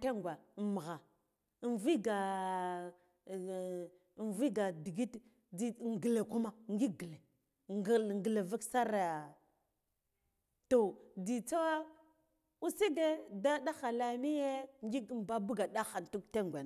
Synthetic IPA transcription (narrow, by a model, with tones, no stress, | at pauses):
te˦ŋɡʷa˨m˨ɣa˨ | nvi˦ɡa˨ | nvi˦ɡa˨di˨ɡi˦t | i˨ŋɡi˨le˨ku˦ma˦ŋɡi˦ɡə˨le˨ | ɡŋ˨ɡə˨le˨va˦ksa˦ɾa˨a˨ | to˨di˨t͡sa˦wa˦ | u˦si˦ɡe˦da˦da˦xa˨la˨mi˦je˦ŋɡi˦ɡm˨ba˦bu˦ɡa˨ɗa˦xa˨ntu˦kte˦ŋɡʷe˨